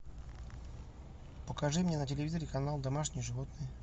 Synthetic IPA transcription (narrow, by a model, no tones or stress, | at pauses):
pəkɐʐɨmnʲenətʲɪlʲɪvʲizəɾʲɪkɐnalˠd̪ɐmaʂnʲɪjʐɨvot̪nɨj